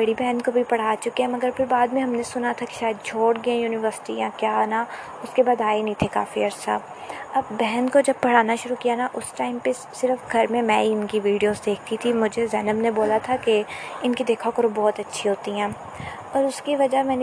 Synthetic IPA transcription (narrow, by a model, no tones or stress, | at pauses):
bɐɽibɛːnkobʱipɐɽ̤aːt͡ʃʊkeɦɛ̃mɐɡəɾpʰɪɾbaːd̪mẽɦɐmnesʊnat̪ʰake̥ʃaːjəd̪̚t͡ʃʰoːɽɡɐẽjuːnɪʋəɾsɪ̥ʈiãkjaːna | ʊskebaːd̪aːenɐɦĩt̪ʰeka̰ːfiɐɾsa̰ː | ɐbːɛɦɛnkod͡ʒɐb̚pɐɽ̤aːnaʃʊɾukijanaʔʊsʈaːɪmpe | sɪɾəfɡʱɐɾmẽmɛ̃iɪnkiʋiːɖijoːzd̪eːk̚ʰt̪it̪ʰimʊd͡ʒʱezɛːnəbneboːlat̪ʰakeɪnkid̪eːkʰakɐɾobɔːt̪ɐtːʃʰiɦoːt̪iɦɛ̃ː | ɔːɾʊskiʋɐd͡ʒamɛ̃ːne